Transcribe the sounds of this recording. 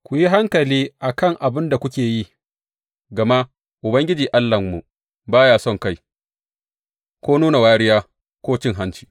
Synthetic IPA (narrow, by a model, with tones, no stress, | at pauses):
kʷʊ˨ji˦ɦa˦ŋkɐ˨liː˦ʔa˨kɐ˦˨ŋʔa˨bɪ˦nda˨kʷʊ˦kʲeː˨ji˦ | ɡɐ˨ma˦ | ʔʊ˨bɐ˦ŋɡʲɪ˦d͡ʒiː˨ʔa˦lːɐ˨mːu˨ | baː˦jaː˨sɔ˦˨ŋka˦˨j | kʷoː˦nuː˦na˨waː˦ɽɪ˦jaː˦ | kʷoː˦t͡ʃɪ˦ŋɦa˦nt͡ʃi̥ː˨